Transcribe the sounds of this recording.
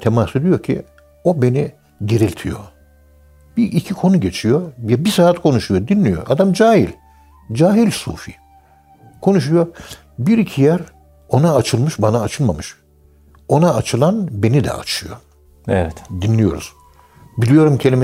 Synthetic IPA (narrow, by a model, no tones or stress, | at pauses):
t̪ʰemased̪ijo̞ɾcʰḭ | o̞be̞ni | ɟe̞ɾilʲt̪ʰijo̞̰ | b̥iʔicʰikʰo̞nuɟe̞t͡ʃʰijo̞jɛbisaːat̪kʰo̞nuʃujo̞d̪inlʲijo̞̰ʔa̰d̪amd͡ʒaːɦilʲ | d͡ʒaːɦilʲsṵːfḭː | kʰo̞nuʃ̬ujo̞ | biɾicʰijæɾ | o̞naːt͡ʃʰɯlˠmɯʃbanaːt͡ʃʰɯlˠmamɯʃ | o̞naːt͡ʃʰɯlˠanbe̞nid̪ɛ̰a̰t͡ʃʰɯjo̞̰ | ɛ̰vɛt̪d̪inlʲijo̞̰ɾṵz̥ | bilʲijo̞ɾumcʰelʲim